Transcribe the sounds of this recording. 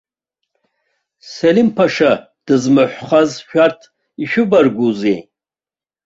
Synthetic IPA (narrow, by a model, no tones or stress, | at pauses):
selimpʰaʂa | d̥ɨzmɨħʷχazʃᶣartʰ | iʃᶣʊbarɡʷuzej